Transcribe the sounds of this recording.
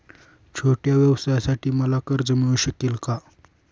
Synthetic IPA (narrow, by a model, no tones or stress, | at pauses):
t͡ɕʰoʈjaʋjəʋsajasaʈʰiːməlakəɾd͡zəmiuɕəkelka